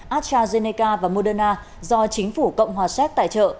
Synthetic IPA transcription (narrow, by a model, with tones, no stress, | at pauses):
ʔaː˦˥t̚t͡ɕaː˧ze˧ne˧kaː˧vaː˨˩mo˧ɗəː˧naː˧ | zɔ˧t͡ɕï˨˦ŋ̟fu˧˩kə̰˧˨wŋ͡mɦwaː˨˩sɛ˦˥k̚t̪a̰ː˧˨t͡ɕə̰ː˧˨